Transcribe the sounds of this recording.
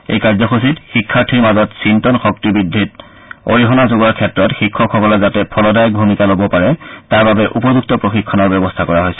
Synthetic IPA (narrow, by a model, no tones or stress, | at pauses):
ḛjkaɹzɔxʰus̬itxikʰːaɹtʰiɹmazɔtsintɔnxɔk̚tibɹidʱːit | o̰ɹiɦɔnazoɡaɹkʰɛtɹɔtxikʰːɔkʰɔkɔlɔzatɛpʰɔlɔdajbʱumikalobɔpaɹɛtaɹbabɛʔupɔzuk̚tɔpɹoxikʰːɔnɔɹbɛbɔstʰakɔɹaɦojsɛ̥